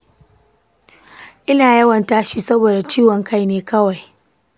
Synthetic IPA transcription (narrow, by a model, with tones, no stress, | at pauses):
ʔɪ˦naː˨jɐ˦wɐ˨ntaː˦ʃiː˦˨sɐ˦boː˨da˨t͡ʃiː˦wɔ˨ŋka˦jneː˦kɐ˦wa˨j